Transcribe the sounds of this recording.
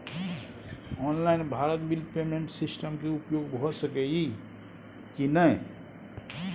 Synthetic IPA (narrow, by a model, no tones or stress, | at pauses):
ɔːnlainbʱaɾət̪bilpemẽɳʈsisʈəmkeupjoɡbʱɔsəkɛɡi | kinəɦ